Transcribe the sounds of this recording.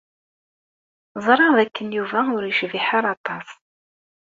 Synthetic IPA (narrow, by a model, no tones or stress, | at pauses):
zˤɾˤɑðækːənjuvæʊɾjəʃviħaɾɑt̪ˤɑs